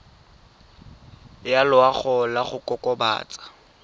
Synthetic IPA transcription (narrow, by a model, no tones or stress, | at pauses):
jalʊaχɔlaχʊkʼɔkʼɔba̰ːt͡sʼḁ